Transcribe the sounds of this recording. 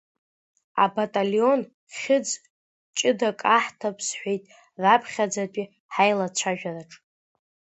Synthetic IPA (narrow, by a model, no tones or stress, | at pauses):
a̰batʼalo̞n | χʲɪd͡z | t͡ʃʼɪdakʼaħtʰapʰsħʷᶣejtʼ | rapʰχʲad͡zapʼi | ħajlat͡ɕʷʰaʒᶣaraʈ͡ʂʼ